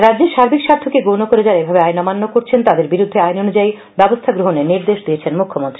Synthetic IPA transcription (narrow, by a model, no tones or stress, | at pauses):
ɾadːd͡ʑeɾʃaɾbikʃaɾt̪ʰokeɡonokoɾed͡ʑaɾebʱabeajnɔmanːokoɾt͡ɕʰent̪ad̪eɾbiɾud̪ʱːeajnonud͡ʑai | bɛbost̪ʰaɡɾoɦoneniɾd̪eʃd̪iet͡ɕʰenmukʰːomont̪ɾi